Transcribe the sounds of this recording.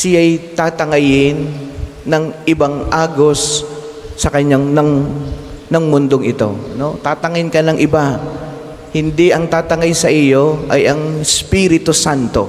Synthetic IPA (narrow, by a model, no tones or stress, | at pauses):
sɪajt̪aːt̪ɐŋɐjɪnː | ɐŋʔɪbɐŋʔaːɡo̞sː | ɐkɐɲaŋnɐŋ | nɐŋmʊnd̪oŋʔɪt̪o̞̰no̞t̪aːt̪ɐŋɐɪnkɐnɐŋʔɪba | hɪnd̪iʔɐŋt̪aːt̪ɐŋajsɐʔɪjo̞ʔɐjʔɐŋspiɾɪt̪osant̪o̞̰